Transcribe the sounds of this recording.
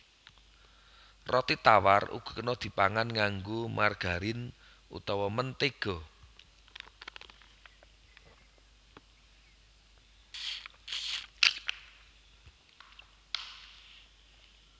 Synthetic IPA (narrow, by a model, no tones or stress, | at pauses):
rɔt̪it̪awarṵɡ̥ṳ̥kənɔd̪̥i̤paŋanŋaŋɡomarɡ̥a̤ɾɪn | ṵt̪ɔwɔmənt̪eɡ̥ɔ